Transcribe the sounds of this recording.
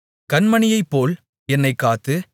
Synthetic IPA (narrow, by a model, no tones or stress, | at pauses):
kɐnmɐnɪjɐɪpːoːl | ɛnːɐɪkːaːt̪ɯ